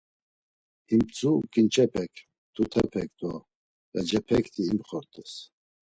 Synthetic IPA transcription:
imt͡sʼukʼint͡ʃʰɛpʰɛkʰ | t̪ʰut̪ʰɛpʰɛk̚d̪wɔ | jad͡ʒɛpʰɛkʰt̪ʰiːmχɔɾt̪ʼɛs

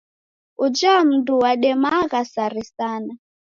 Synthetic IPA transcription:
ud͡ʒam̩duwaɗɛmaɣasaɾisana

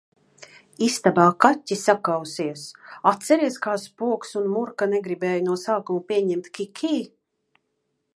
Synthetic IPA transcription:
ist̪abaːkatʲːisakawsiɛsat̪sɛɾiɛskaːspuɔksunmuɾkanɛɡɾibɛːjunuɔsaːkumupʲiɛɲɛmt̪kʲikʲʰiː

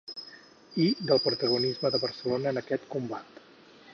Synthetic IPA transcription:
id̪əlˠpɾut̪əɣ̞unizməðəβərsəlonəːnəkɛt̪kumbat̪

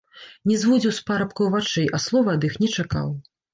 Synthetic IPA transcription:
nʲɛzvud͡zʲiwspaɾɐpkɐwvat͡ʂɛjʔɐslˠɔvɐɐd̪ixnʲɛt͡ʂaka̰w

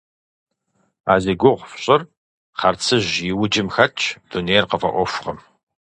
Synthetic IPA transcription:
aːzeːɡʷʊʁʷfɕʼɐr | qɐrt͡sʰɨʑjɪwʊd͡ʒɪmxɐt͡ʃʰd̥oneːrqəfɐ̰ʔʷɔfʷʊqɐm

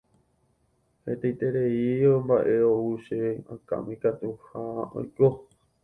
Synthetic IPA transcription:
het̪ejt̪eɾeiombaʔe̞ouʃeã̰kã̰mĩkat̪uhao̰jko

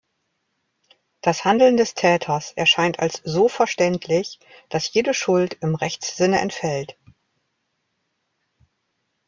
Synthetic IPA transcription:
d̥ashandl̩ndɛstʰɛːtʰɐsʔɛ̰ɐʃaɪntʰalsz̥oːfɛɐʃtɛntʰlɪç | d̥asjeːdəʃʊltɪmʁɛçt͡sz̥ɪnəʔɛ̰ntfɛlt

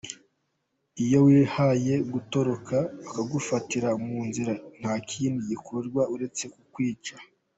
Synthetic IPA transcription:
ijo̞wiːhaje̞ɡuto̞ɾo̞kʰaːkaɡufatiɾamuːnziɾan̥haːkʰiːndiɟikʰoɾɡwauɾe̞t͡se̞kukwiːt͡ʃa

